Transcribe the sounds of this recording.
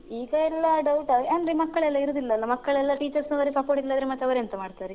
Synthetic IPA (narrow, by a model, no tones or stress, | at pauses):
iːɡɐɛlːɐɖɐwʈɐɐnd̪ɾemɐkːɐɭɛlːɐiɾoːd̪ilːɐːlːɐmɐkːɐɭɛlːɐʈiːt͡ʃɐɾsnuʋɐɾesɐpoːɾʈilːaːd̪ɾemɐt̪ːeʋɐɾeɐnt̪ɐmaːɖt̪aːɾe